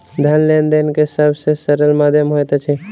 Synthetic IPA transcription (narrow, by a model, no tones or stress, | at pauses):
d̪ʱənlend̪enkesəbʱsesəɾəlmad̪ʱjəmɦojt̪t͡ʃʰɛ